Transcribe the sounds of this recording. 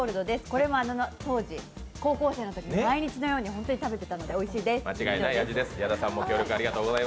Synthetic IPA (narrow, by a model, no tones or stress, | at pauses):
oɾɯ̟d̪o̞d̪e̞sɨ̥ko̞ɾe̞mo̞anonot̪o̞ːʑi | ko̞ːko̞ːse̞ːno̞t̪o̞kʲimomaiɲ̟it͡ɕino̞jo̞ːɲ̟ihõ̞nt̪oɲit̪abe̞t̪e̞̥t̪ano̞d̪e̞o̞iɕiːd̪e̞smat͡ɕiɡainaiad͡ʑid̪e̞sɨ̥jad̪asãmːo̞kʲo̞ːɾʲjo̞kɯ̟aɾʲiɡat̪o̞ːɡozai